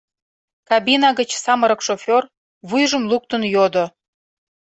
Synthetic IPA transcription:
kɑbinɑɡə̆t͡ɕsɑməɾə̆kʃofʲor | βujʒə̆mluk̚t̪ənjod̪o

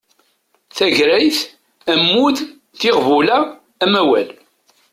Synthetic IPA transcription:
θæʝɾæjθ | æmːuθ | θɪʁvulæː | mæwæl

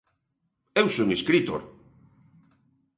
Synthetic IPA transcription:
ewsoŋeskɾit̪o̰ɾ

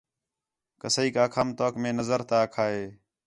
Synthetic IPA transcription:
kəsəiːkaːkʰaːmt̪oːkmẽːnəzəɾt̪aːkʰaːɦeː

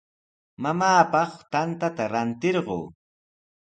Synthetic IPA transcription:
mamaːpɑχt̪ant̪at̪aɾant̪ɪɾɢo̰ː

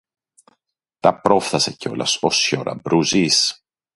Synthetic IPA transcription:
t̪ɐpɾo̞fθɐseceo̞̰lʔɐ̰so̞sçoɾʔɐ̰bɾuzis

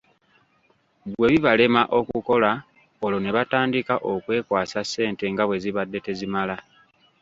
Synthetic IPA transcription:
βwe̞βiβale̞maʔo̞kuko̞la | olo̞ne̞βataːndikaʔokwe̞ːkwaːsase̞ːnte̞ŋɡaβwe̞ziβadːe̞te̞zimala

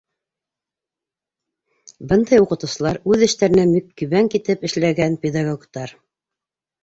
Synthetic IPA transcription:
bɤnd̪ɑjuqɤ̆t̪ɤ̆wsɤ̆lˠɑɾʉðɘ̆ʃt̪æɾɘ̆næmikkɵ̆βæŋkit̪ɘpɘ̆ʃlæɡænpʲed̪aɡokt̪ɑɾ

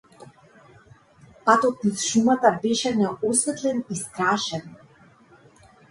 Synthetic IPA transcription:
pat̪ɔt̪̚nasʃumat̪abɛʃɛnɛɔsvɛt̪lɛnist̪ɾaʃɛn

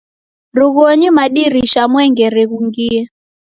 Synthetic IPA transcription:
ɾuɣɔɲimaɗiɾiʃamwɛŋɡɛɾɛɣuŋɡiɛ

